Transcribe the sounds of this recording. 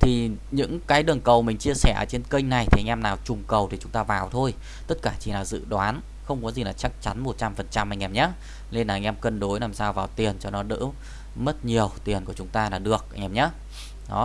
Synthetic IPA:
t̪ʰi˨˩ɲɨ̰˧˥ŋkaː˨˦jɗɨ˨˩əŋkə˨˩wmï˨˩ŋ̟t͡ɕi˧əsɛː˧˩ʔə̰ː˨˩t͡ɕe˧nkə˧ŋ̟na˨˩jt̪i˨˩a˧ŋ̟ʔɛ˧mnaː˨˩wt͡ɕʊ˨˩ŋ͡mkə˨˩wt̪ʰi˨˩t͡ɕʊ˨˦ŋ͡mt̪aː˧vaː˨˩wt̪ʰo˧j | t̪ə˦˥t̚kaː˧˩t͡ɕi˧˨˩naː˨˩wzɨ̰˧˥ɗwaː˨˦n | xə˧wŋ͡mkɔ˨˦zi˨˩laː˨˩t͡ɕa˦˥k̚t͡ɕa˨˦nmo˨˩t̚t͡ɕa˧mfə˨˩nt͡ɕa˧mha˧˩ŋ̟ʔɛ˧˩mɲaː˨˦˥ | le˧nlaː˨˧ŋ̟ʔɛ˧mkə˧nɗo˨˦jlaː˨˩msaː˧wvaː˨˩wt̪i˨˩ənt͡ɕɔ˧nɔ˨˦ɗɨ̰˧˥ | mə˦˥t̚ɲi˨˩əwt̪i˨˩ənku˧˩ət͡ɕʊ˨˦ŋ͡mt̪aː˧laː˨˩ɗɨ˨˩ək̚ʔa˧ŋ̟ʔɛ˧˩mɲaː˨˦˥ | ɗɔ̰˨˦

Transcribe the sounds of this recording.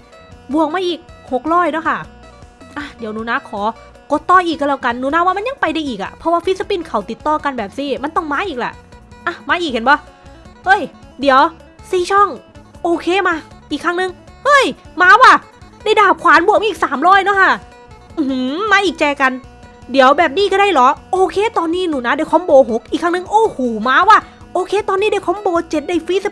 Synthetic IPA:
bu˨˩ək̚maː˧˥ʔiː˨˩k̚ho˨˩k̚ɾɔː˥˩jnɔ˦˥˩kʰa˥˩ | ʔa˧˩di˩˦wnuː˨˦naː˦˧˥kʰɔː˩˦ | ko˧˦t̪ːɔː˧˩jʔiː˨˩k̚ːa˧lɛː˧˩ka˧nːuː˨˦naː˧˥waː˧˥˩m˧˥˨nja˧ŋpa˧jda˧˩jʔiː˨˩k̚ʔa̰˨˩pʰɾɔ˧waː˧˩fi˦˥sa˧pi˧˩nkʰa˨˩˦wt̪i˨˩t̪ːɔː˧˩ka˧nbɛː˨˩p̚siː˧˥˩ma˧˥˨nt̪ɔ˧˥˩ŋmaː˧˥ʔiː˨˩k̚lɛ̰˧˩ʔʔa˧˩maː˧˥ʔiː˨˩k̚he˨˦nbɔ˧˦hɤ˧˥˩jdi˨˩˦əw | siː˨˩t͡ɕʰɔ˥˩ŋʔoː˧kʰeː˧˨maː˧ʔiː˨˩kʰːaː˧˥˩ŋnɯ˧˦ŋhɤ˧˥˩jmaː˧˥waː˧˩ | da˥˩jdaː˨˩p̚kʰwaː˨˦nbu˨˩əma˧˥ʔiː˨ksaː˨˩˦mɾɔː˧˥˩jnɔ˧˦˥kʰa˧˥˩ | ʔɯ˧˩hɯ˧˦maː˧˥ʔiː˨˩k̚t͡ɕɛː˧ka˧n | di˨˩˦əwbɛː˨˩p̚niː˧˩kɔ˧˩da˧˩jlɔ˨˦ʔoː˧kʰeː˧˩t̪ɔː˧nːiː˥˩˨nuː˨˩na˧˦˥da˧˩jkʰɔ˧˦˥mboː˧ɦo˨˦k̚ʔiː˨˩kʰːaː˧˥˩ŋnɯ˧ŋʔoː˧˩hoː˨˩maː˧˥waː˧˥˩ | ʔoː˧kʰeː˧˥t̪ɔː˧nːiː˧˥˩da˧˩jkʰɔ˧˦˥mboː˧t͡ɕe˨˩t̪̚da˧˩jfi˦˥sa˧

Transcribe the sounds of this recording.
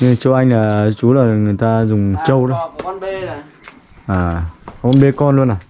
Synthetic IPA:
ɲɨ˧t͡ɕə˧wʔa˧jŋ̟laː˨˩˨t͡ɕu˨˦laː˨˩˨ŋɨ˨˩əjt̪aː˧zʊ˨˩ŋ͡mt͡ɕə˧wɗo˨˦ | ʔaː˨˩kə˧˦ŋ͡mɓe˨˦kɔ˧nlu˧ənːaː˨˩

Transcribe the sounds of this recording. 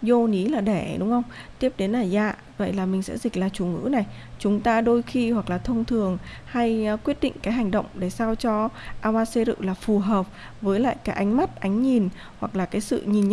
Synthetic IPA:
zo˧ni˨˦laː˨˩ɗe˧˩ɗʊ˨˦ŋ͡mxə˧wŋ͡mt̪i˦˥əp̚ɗe˨˦nlaː˨˩za̰ː˧˨ | və̰˧˨jlaː˨˩mï˨˩ŋ̟sɛ̰˧˥zï˨˩k̟̚laː˨˩t͡ɕu˨˧˩ŋɨ̰˧˥na˨˩j | t͡ɕʊ˨˦ŋ͡mt̪aː˧ɗo˧jxi˧hwa˨˩k̚laː˨˩t̪ʰə˧wŋ͡mt̪ʰɨ˨˩əŋ | ha˧jkwət̚ɗḭ˧˨ŋ̟kaː˨˦jɦa˨˩jŋ̟ɗə̰˧˨wŋ͡mɗe˧˩saː˧wt͡ɕɔ˧ʔaː˧wʔaː˧se˧ɾɨ̰˧˨laː˨˩fu˨˩ɦəː˨˩p̚ | vəː˨˦jla̰ː˧˨jkaː˨˦jʔa˨˦ŋ̟ma˦˥t̚ʔa˨˦jŋ̟ɲi˨˩n | hwa˨˩k̚laː˨˩kaː˨˦jsɨ̰˧˨ɲi˨˩nɲ˧

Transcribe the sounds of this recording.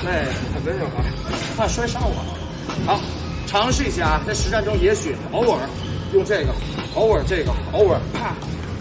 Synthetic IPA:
ne˥˩ɪxə˨˩npə˧˥ɻo˨˩ɐ˧˥p̪ʰa˥˩ʂwa˥ɪʂɑ˥˩ʊwə̰˨˩ | xɑ˧˥ʊ | ʈ͡ʂʰɑ˧˥ŋʂɻ̩˥˧i˧˥ɕja˥˩t͡sɪʂɻ̩˧˥ʈ͡ʂa˥˩˧nʈ͡ʂʊ˥ŋjɛ˧˥ɕy˨˩o˧˥ʊwə˨˩ | jʊ˥˧ŋʈ͡ʂɤ˥˩ɡə˩ɑ˧˥ʊwə˞˨˩˥ʈ͡ʂɤ˥˩ɡə˩ɑ˧˥ʊwə˞˨˧˥pʰa˥˩

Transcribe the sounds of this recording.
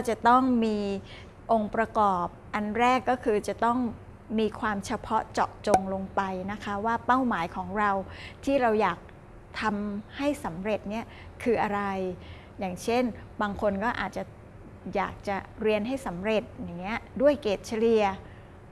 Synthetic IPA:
t͡ɕa˨˩t̪ɔ˥˩ŋmiː˧ | ʔo˧ŋpɾa˧kɔː˨˩p̚ʔa˧nɾɛː˥˩kːɔː˥˩kʰɯː˧t͡ɕa˨˩t̪ɔ˥˩ŋ | miː˧kʰwaː˧mt͡ɕʰa˧pʰɔ˦˥t͡ɕɔ̰˨˩k̚t͡ɕo˧ŋlo˧ŋpa˧jna˦˥kʰa˦˥waː˥˩pa˥˩wmaː˩˦jkʰɔː˩˦ŋɾa˧wt̪ʰiː˥˩ɾa˧wjaː˨˩k̚ | t̪ʰa˧mha˥˩jsa˩˦mɾe˨˩t̪̚ni˦˥˩ɐ | kʰɯː˧ʔa˧ɾa˧j | jaː˨˩ŋt͡ɕʰe˥˩nbaː˧ŋkʰo˧nkɔː˥˩ʔaː˨˩t̪̚t͡ɕa˨˩ | ja̰ː˨˩k̚t͡ɕa˨˩ɾi˧ənɦa˥˩jsa˩˦mɾe˨˩t̪̚jaː˨˩ŋːi˦˥ɐdu˥˩əjkeː˨˩t̪̚t͡ɕʰa˧˦˥li˧ɐ

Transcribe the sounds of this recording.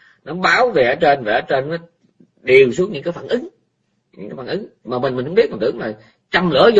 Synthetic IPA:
nɔ˨˦ɓaː˨˦wve˨˩ʔəː˨˦t͡ɕe˧nveː˨˩ʔəː˨˦t͡ɕe˧nːɔ˨˦ | ɗi˨˩əwsu˦˥ət̚ɲɨ̰˧˥ŋkaː˨˦jfaː˧˩nʔɨ˨˦ŋ | ɲɨ̰˧˥ŋkaː˨˦jfaː˧˩ʔɨ˨˦ŋ˧maː˨˩ɓe˨˩nmï˨˩hu˧˦ɓi˦˥əmaː˨˩t̪ɨ̰˧˨əŋlaː˨˩j | t͡ɕa˧mlɨ̰˧˥əz

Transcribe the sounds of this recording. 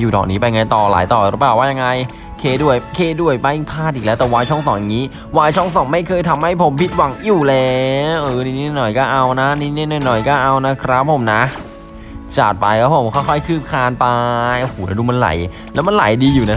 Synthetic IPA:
juː˨˩dɔ̰ː˨˩niː˦˥pa˧ja˧ŋa˧jt̪ɔː˨˩la̰ː˨˩˦jt̪ɔː˨˩ɾɯ˦˥paː˨˩waː˥˩ja˧ŋa˧j | kʰeː˧du˥˩əjkʰeː˧du˥˩əjpa˧jpʰaː˥˩t̪̚ʔiː˨˩klɛː˦˥wt̪ɛː˨˩waː˧jt͡ɕʰɔ˥˩ŋsɔː˨˩˦ja˨˧ŋiː˦˥ | waː˧jt͡ɕʰɔ˥˩ŋs̬ɔ˨˩˦ŋma˥˩jkʰɤː˧jt̪ʰa˧mha˥˩jpʰo˩˦mpʰi˦˥t̪̚wa˨˦ŋjuː˨˩lɛː˧˦ʔɤː˧˩niː˧˥ni˥˩˨nɔ˨˩jkɔː˥˩ʔa˧wna˦˥niː˧˥˦ni˥˩˨nɔ˧˩nɔ˨˩jkɔː˥˩ʔa˧wna˦˥kʰɾa˦˥pʰːo˨˩˦mna˦˥ | t͡ɕa̰ː˨˩t̪̚pa˧jkʰa˦˥pʰo˨˩˦mkʰɔ˥˩jkʰɔ˥˩jkʰɯː˥˩p̚kʰaː˧npa˧jʔo˧hoː˨˩˦na˧˩duː˧ma˧nla̰˨˩˦j | lɛː˦˥wma˧nla̰˨˩˦jdiː˧juː˨˩na˦

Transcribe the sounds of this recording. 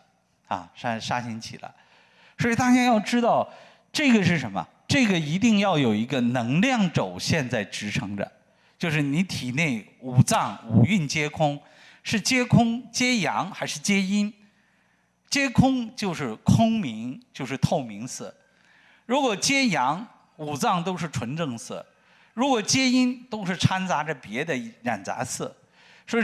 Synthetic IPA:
ɐ̰˧˩ʂa˥ʂa˥ɕʰi˧˥nt͡ɕʰḭ˨˩lə̰˦ | swi˨˩t̪ɑ˥ŋɕjɛ˥njɑ˥˩ʊʈ͡ʂɻ̩˥t̪ɑ˥˩ʊ | ʈ͡ʂɤ˥˩ɡə˩ʂɻ̩˥˩ʂə˧˥nmə̰˧ | ʈ͡ʂɤ˥˩ɡə˩i˧˥t̪i˥˧ŋjɑ˥˩ʊjo˨˩ʊi˧˥ɡə˧nɤ˧˥ŋljɑ˥˩ŋʈ͡ʂo˨˩ʊɕjɛ˥˧nt͡sa˥˩ɪʈ͡ʂɻ̩˧˥ʈ͡ʂʰɤ˧˥ŋd̪ə̰˧ | t͡ɕjo˥˧ʊʂɻ̩˥˩ni˧˥t̪ʰi˨˩ne˥˩ɪu˨˩t͡sɑ˥˩ŋu˨˩y˥˩nt͡ɕjɛ˥kʰʊ˥ŋ | ʂɻ̩˥˩t͡ɕjɛ˥kʰʊ˥ŋt͡ɕjɛ˥jɑ˧˥ŋxa˧˥ɪʂɻ̩˥˩t͡ɕjɛ˥i˥n | t͡ɕjɛ˥kʰʊ˥ŋt͡ɕjo˥˧ʊʂɻ̩˥˩kʰʊ˥ŋmi˧˥ŋt͡ɕjo˥˧ʊʂɻ̩˥˧t̪ʰo˥˩ʊmi˧˥ŋsɹ̩˥˩ | ɻu˧˥kwɔ˨˩t͡ɕjɛ˥jɑ˧˥ŋ | u˨˩t͡sɑ˥˩ŋt̪o˥ʊʂɻ̩˥˩ʈ͡ʂʰwə˧˥nʈ͡ʂɤ˥˧ŋs̩˥˩ | ɻu˧˥kwɔ˨˩t͡ɕjɛ˥i˥nt̪o˥ʊʂɻ̩˥˩ʈ͡ʂʰa˥nt͡sa˧˥ʈ͡ʂə˧pjɛ˧˥d̪ə˧˥ɻa˨˩nt͡sa̰˧˥sɹ̩˥˩ | ʂwɔ˧˥˧

